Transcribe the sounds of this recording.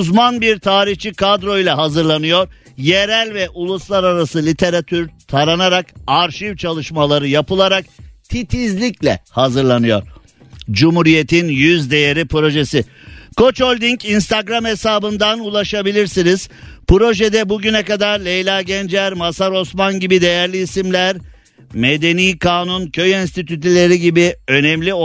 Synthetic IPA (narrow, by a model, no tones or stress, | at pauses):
zmanbiɾt̪ʰaːɾiht͡ʃʰikʰad̪ɾo̞ijlʲˠaɦazɯɾlˠanɯjo̞ɾ | jeɾælʲvɛʔulˠuslˠaɾaɾasɯlʲit̪ʰe̞ɾat̪ʰyɾt̪ʰaɾanaɾakaɾʃivt͡ʃʰalˠɯʃmalˠaɾɯjapɯlˠaɾak̚t̪ʰit̪ʰizlʲiclʲɛ̰hazɯɾlˠanɯjo̞̰ɾ̥ | d͡ʒumhuɾije̞t̪ʰinjyzd̪e̞jeɾipɾo̞ʒesi | kʰo̞t͡ʃolʲd̪incinst̪ʰaɡɾamesaːbɯnd̪anulˠaʃabilʲiɾsiniz̥pɾo̞ʒed̪ɛbuɟynɛkad̪aɾlʲejlʲˠaɟɛnd͡ʒæɾmasaɾo̞smanɟibid̪e̞jæɾlʲiːsimlʲæɾ | me̞d̪e̞niːkʰaːnuncʰø̞jɛnst̪it̪ʰyt̪ilʲe̞ɾiɟibiø̞nɛmlʲi